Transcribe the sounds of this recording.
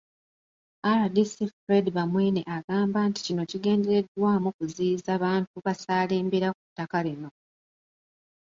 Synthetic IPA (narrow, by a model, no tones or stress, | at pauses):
aɾadisifɾediβamwiːneʔaɡaːmbaːnti̥cino̞ciɡe̞ːnde̞ɾe̞dwaːmukuziːzaːβaːntuβasaːle̞ːmbeɾak̚utːakalino̞